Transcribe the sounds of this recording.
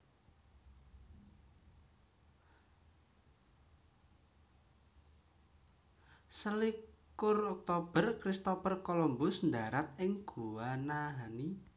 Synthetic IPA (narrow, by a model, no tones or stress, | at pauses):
səlikkʊrɔk̚t̪ob̥ərkɾist̪opərkolɔmbʊsnd̪aɾat̪̚ɪŋɡ̥uwanaɦani